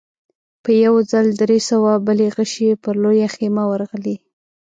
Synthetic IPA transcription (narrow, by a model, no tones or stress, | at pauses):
pəjawd͡zald̪ɾesawabəleɣəʃepəɾlojaxemawəɾɣəli